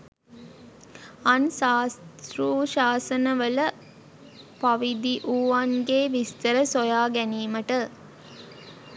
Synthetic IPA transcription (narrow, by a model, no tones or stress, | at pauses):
ɐnsaːst̪ɾuːʃaːsənəʋələ | pɐʋid̪iʔuːʋanɡeːʋist̪əɾəsojaːɡæniːməʈə